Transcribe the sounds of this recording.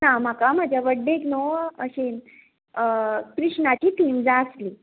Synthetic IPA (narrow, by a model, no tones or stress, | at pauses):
nam̤akam̤ad͡ʑʱjaʋəɖːeknoəɕe | kɾiʂnat̪iːʈʰiːmd͡zaəsli